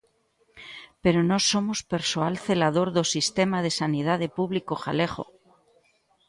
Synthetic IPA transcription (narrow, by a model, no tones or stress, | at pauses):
pe̞ɾono̞so̞mospe̞ɾsoalθe̞laðo̞ɾðosist̪emaðe̞sanið̞aðe̞puβlikoxa̰le̞χo̞̰